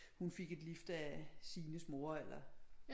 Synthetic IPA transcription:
hunfe̝ɡ̥e̝d̥lifd̥æsiːnəsmo̝ɐelɐ

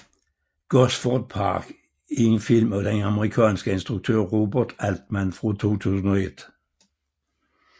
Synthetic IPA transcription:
ɡ̥ɔsfɔd̥̪̚pʰɑ̰ːɡ̥ | ɪŋənfilmɔd̥̪ɛnɑməʁikʰɑ̰ːnsɡ̥əɪnsd̪̥ʁuɡ̥̚t̪ʰø̰ːʁoːbəd̪̥æld̪̥mænfʁot̪ʰo̝ːt̪ʰʉːsn̩ɔed̪̥

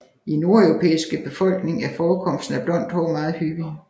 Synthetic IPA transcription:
ino̝ɐœʊʁo̝pʰḛːisɡ̥əb̥e̝fɒ̽l̰ɡ̥ne̝ŋæɐfɒːkʰɒ̽m̰sd̥n̩æb̥lɒ̽n̰d̥hɒʊmɑ̈ːð̩ˠhyɡ̥i

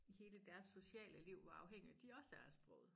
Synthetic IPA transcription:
ihe̝ːləd̥æɐsːo̝ɕɛ̰ːləliʊ̰ʋɑɑ̈ʊɦeŋ̰id̥iɒ̽səæɐæsb̥ʁɔ̰ʊð̩ˠ

